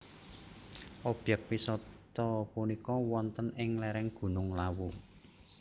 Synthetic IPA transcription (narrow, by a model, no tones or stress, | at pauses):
ʔɔb̥ɛk̚wisɔt̪ɔpunikɔwɔnt̪ənɪŋlɛɾɛŋɡ̥ṳnʊŋlawu